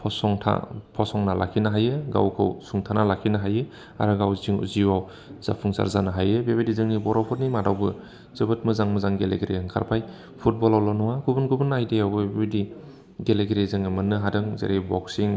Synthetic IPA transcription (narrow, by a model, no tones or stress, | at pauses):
pʰɔsɔŋtʰa̰pʰɔsɔŋnala̰kʰinaɦajɯɡa̰wkʰɯ̰wsuŋtʰanalakʰinaɦajɯ | a̰ɾɯɡawziŋṵziwaw | z̥a̰pʰuŋsa̰ɾzanaɦajɯbebedizɯŋnibɔɾawpʰɔɾnimadawbɯ | z̥ɯbɯt̚mɯzaŋmɯzaŋɡelḛɡeɾḛɯŋkʰa̰ɾpʰaj | pʰut̚bɔlawlanɔŋaɡubunɡʰubɯnajdejawbɯbebedi | ɡeleɡeɾezɯŋɯmɯnɯɦadɯŋzḛɾebɔksiŋ